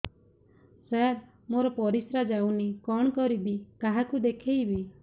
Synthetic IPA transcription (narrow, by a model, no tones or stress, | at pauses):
saɾ | moɾɔpɔɾisɾad͡ʒawnikɔɳ̃kɔɾibikaɦakud̪ekʰejbi